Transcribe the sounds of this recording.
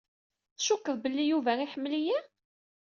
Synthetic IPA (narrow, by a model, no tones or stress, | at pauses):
θʃukːəðˤbəlːijuvæiħəmːlijæ